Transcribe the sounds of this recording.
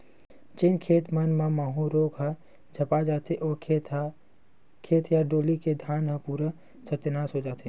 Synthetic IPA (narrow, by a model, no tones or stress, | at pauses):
d͡ʒɪnkʰeːt̪mənmamaːɦũɾoːɡɦə̃ | d͡ʒʱəpad͡ʒaːt̪eʔɔː | kʰeːt̪jaɖoːliked̪ʱjaːnɦə̃puːɾə | sət̪enaːsɦod͡ʒaːt̪ʰe